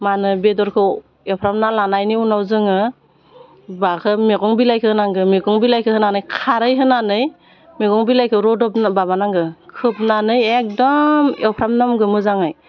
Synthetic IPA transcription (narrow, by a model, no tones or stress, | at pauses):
manɯbedɔɾkʰɯ | ewpʰɾamnalanajniunawzɯŋɯ | bakʰɯmeɡɔŋbilajkʰɯhɯnaŋɡɯmeɡɔŋbilajkʰɯhɯnanɯjkʰaɾɯjɦɯnanɯj | meɡɔŋbilajkʰɯɾɔdɔp̚nbabanaŋɡɯkʰɯp̚nanɯjek̚dɔmewpʰɾamnamɡɯmɯzaŋɯj